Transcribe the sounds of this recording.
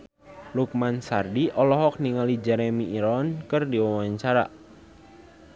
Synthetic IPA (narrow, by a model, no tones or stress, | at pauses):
luk̚mansardiʔɔlɔɦɔk̚niŋalid͡ʒɛɾɛmiʔːɾɔnkɨrdiwawaɲt͡ʃaɾa̰ʔ